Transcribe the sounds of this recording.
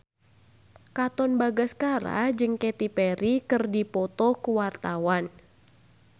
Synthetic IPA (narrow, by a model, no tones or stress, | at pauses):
kat̪ɔnbaɡaskaɾa̰d͡ʒɨŋkɛt̪ipɛɾikɨrdipɔt̪ɔkuwart̪awan